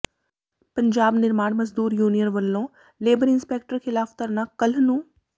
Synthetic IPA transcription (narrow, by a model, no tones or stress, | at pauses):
pəɲd͡ʒaːbnɪɾmaːɳməzd̪uːɾjuːnijənʋəlːõː | leːbəɾɪnspeːk̚ʈəɾkʰɪlaːft̪əɾnaːkəl̤nũː